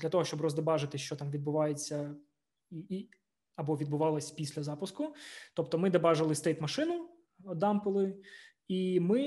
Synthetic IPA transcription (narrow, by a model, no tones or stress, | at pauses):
d̪lʲɐt̪ɔɦɔʃt͡ʃɔbrɔzd̪ɐbɑʒɪt̪ɪʃt͡ʃɔt̪ɑmʋʲid̪̚bʊʋɑjet͡sʲːɐ | ii | ɐbɔʋʲid̪bʊʋɑlˠɐsʲpʲisʲlʲɐzɑpʊskʊt̪ɔp̚t̪ɔmɪd̪ɐbɑʒɐlˠɪst̪ɛjt̪mɐʃɪnʊ | ɔd̪ɑmpɪlˠɪ | imɪ